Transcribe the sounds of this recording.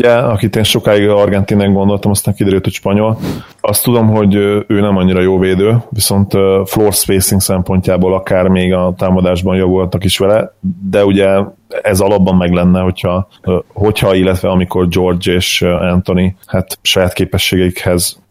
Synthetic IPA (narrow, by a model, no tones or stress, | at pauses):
uɟɛɒkit̪eːnʃo̞kaːiɡɒrɡɛnt̪inɛŋɡo̞nd̪o̞lt̪ɒmɒst̪aːŋkid̪ɛɾylt̪hocʃpɒɲo̞l | ɒst̪ːud̪o̞mɦo̞ɟøøːnɛmɒɲːiɾɒjoːlveːd̪øːviso̞nt̪øfloːrspeːsiŋksɛmpo̞ɲcaːboːlɒkaːrmeːɡɒt̪aːmɒd̪aːʒbɒnjɒvuɦɒt̪ɒkiʃʋɛlɛd̪ɛuɟɛ | ɛzɒlɒbːɒmːɛɡlɛnːɛɦo̞chɒɦo̞chɒilːɛt̪ʋɛɒmiko̞rd͡ʒo̞rd͡ʒeːʃɛnt̪o̞nihat̪ʃɒjaːt̪keːpɛʃːeːɡɛikhɛz